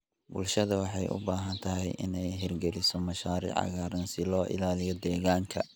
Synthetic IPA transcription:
bʊ̰lʃɐðɐwɑħɑjʔʊ̰baːɦɐnt̪ʰɐɦɛjʔɪ̰nɛjɦɪrɡɛlɪsɔmɐʃaːɾḭːʕɑ̰ɣaːɾɐnsɪlɔːʔɪ̰laːlɪjɔd̪ɛːɣaːŋkʰɐ

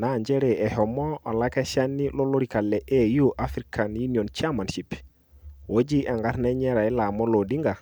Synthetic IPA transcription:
naɲd͡ʒɛɾɛɛhɔmɔʔɔlakɛʃanːilɔloɾikalːɛʔɛjuʔafɾikʰanjuniɔnt͡ʃamanʃip | wod͡ʒiʔɛŋɡaɾnɛɲɛɾaɛlamɔlodiŋɡa

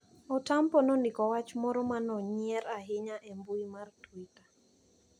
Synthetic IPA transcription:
ɔtampɔnondɪkɔwat͡ʃmɔɾomanɔɲiɛɾaɦɪɲaʔɛmbuimartwitḁ

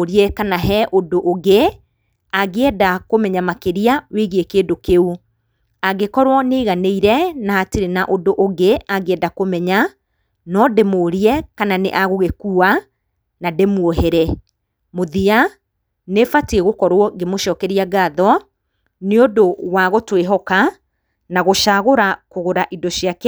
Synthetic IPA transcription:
ɾiɛkanaɦɛʔodoʔoɣe | aɣeɛdakomɛɲamakeɾiaweɣekeːdokeu | aɡekɔɾwɔneiɣaneiɾɛnaateɾenaʔodoʔoɣeaɣeɛdakomɛɲa | nɔdemoːɾiɛkananḛʔaɣoɣekua | nademwoɦɛɾɛ | moðia | nefatieɣokɔɾwɔɡemoʃɔːkɛɾiaɡaðɔ | neodowaɣotweɦɔka | naɣoʃaɣoɾakoɣoɾaʔidɔʃiak

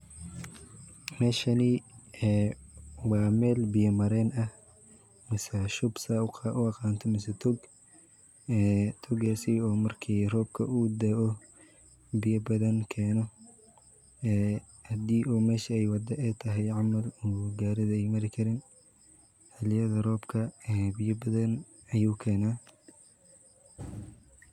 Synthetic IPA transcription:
mɛːʃɐniɛːwɑːmɛːlbɪjɐmɐɾɛːnɐ | mɪsɐʃʊbsɐʊʔʊɐqɑːnt̪ʰɔmɪsɐt̪ʰɔɡ | ɛːt̪ʰɔɡaːsiɔːmɐrkʰiːrɔːb̚kʰɐ̰ʔuːd̪ɛːʔɔ | bɪjɐbɐðɐnkʰɛːnɔ | ɛː | hɐd̪iːʔuːmɛːʃɐɛjwɑd̪ɐʔɛt̪ʰɐɦɛjʕɑmɐluːɡaːɾɪðɐɛjmɐɾɪkʰɐɾɪːn | ħɐlɪjɐðɐrɔːbkʰɐɛbɪjɐbɐðɐn | ɐjuːkʰɛːnaː

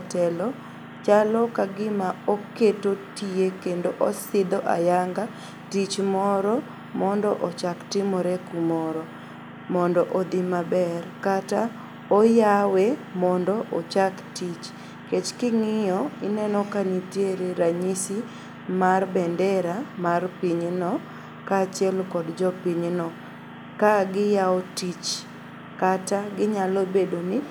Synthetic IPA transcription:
tɛlɔ | t͡ʃalɔkaɡɪmaoketotiekendoʔosɪd̪ɔʔa̰jaŋɡa | tit͡ʃmɔɾɔ | mɔndɔʔɔt͡ʃaktɪmɔɾɛkumɔɾɔ | mɔndɔʔod̪ɪmabɛrkata | ojawemɔndɔʔot͡ʃaktit͡ʃ | ket͡ʃkɪŋɪjɔɪnɛnɔkanitjeɾeɾaɲisi | marbɛndɛɾamarpiɲnɔ | kat͡ʃjɛlkɔdd͡ʒɔpiɲnɔ | kaɡɪjaɔtit͡ʃ | kataɡɪɲalobedoni

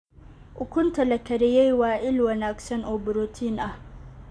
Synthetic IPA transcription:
ʔʊkʊntɐlɐkɐɾɪjajwaːʔɪlwɐnaksɐnʔobʊɾotʰinʔa

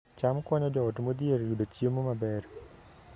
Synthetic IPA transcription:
t͡ʃamkwɔɲɔd͡ʒɔotmod̪ieɾjudot͡ʃjemomabɛr

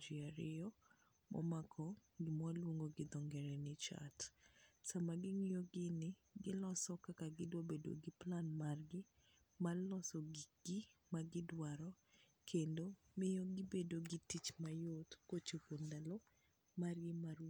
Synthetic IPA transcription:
d͡ʒiaɾɪjɔ | mʔɔ̰makʰɔɡɪmwalwoŋɡoɡɪd̪ɔŋɡɛɾɛnɪt͡ʃa̰tsamaɡɪŋɪjɔɡɪnɪɡɪlɔsɔkakaɡɪdwabedo̰ɡɪplanmarɡɪ | malɔsɔɡiɡ̥ɪmaɡɪdwaɾɔ | kʰendo | mɪjɔɡɪbedoɡɪtit͡ʃmajot̪kot͡ʃohondalɔ | maɾjɛmaɾ

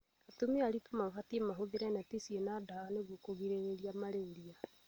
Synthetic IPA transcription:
atomeaɾitomaɣatiemaɦoðeɾɛnatisienadaaneɣokoɣiɾeɾeɾiamaɾeːndia

